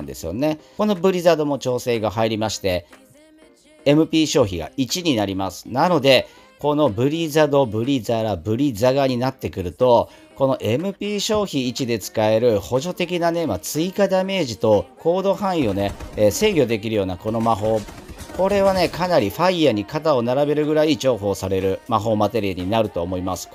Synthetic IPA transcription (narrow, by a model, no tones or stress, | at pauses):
nd̪e̞̰sɨjo̞̰ne̞ko̞no̞bɯ̟ɾʲizad̪o̞mo̞t͡ɕo̞ːse̞ːɡaɦaiɾʲimaɕi̥t̪e̞ | e̞mɯ̟pʲiːɕo̞ːçiɡa̰it͡ɕiɲ̟inaɾʲimasɨ̥nano̞d̪e̞ | ko̞no̞bɯ̟ɾʲizad̪o̞bɯ̟ɾʲizaɾabɯ̟ɾʲizaɡaɲ̟inat̪ːe̞kɯ̟ɾɯ̟t̪o̞ | ko̞no̞ʔe̞mɯ̟pʲiːɕo̞ːçiːt͡ɕid̪e̞t͡sɨ̥kae̞ɾɯ̟ho̞ʑo̞t̪e̞kʲinaneimat͡sɨikad̪ame̞ːʑit̪o̞ko̞ːd̪o̞hãɰ̃io̞nese̞ːɡʲo̞d̪e̞kʲiɾɯ̟jo̞ːnako̞no̞maɦo̞ː | ko̞ɾe̞β̞ane̞kanaɾʲiɸaiaɲ̟ikat̪ao̞naɾabe̞ɾɯ̟ɡɯ̟ɾaid͡ʑo̞ːɦo̞ːsaɾe̞ɾɯ̟maɦo̞ːmat̪e̞ɾʲiaɲ̟inaɾɯ̟t̪o̞ːmo̞imasɨ̥